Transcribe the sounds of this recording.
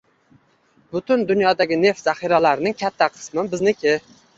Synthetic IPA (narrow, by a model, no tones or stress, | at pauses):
bʊt̪ʰʊnd̪ʊnjɒd̪aɡʲɪne̞ft̪zaχiɾalaɾnɪŋkʲʰat̪ʰːaqʰɨ̥smɪbɪznɪkʲʰɪ